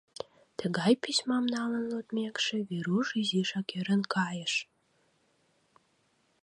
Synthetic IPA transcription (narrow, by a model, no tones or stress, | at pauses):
t̪əɣɑjpismɑmnɑlənlot̪mʲekʃĕβiɾuʃyziʃɑkeɾənkʰɑjəʃ